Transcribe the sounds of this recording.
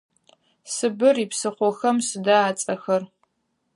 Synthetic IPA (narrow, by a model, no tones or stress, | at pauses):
sɨbɨripsɨχʷɔxɐmsɨdaaːt͡sʼɐxɐr